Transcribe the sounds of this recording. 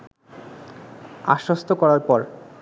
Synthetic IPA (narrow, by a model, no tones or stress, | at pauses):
a̰ʃɾost̪ʰokɔɾaɾpɔɾ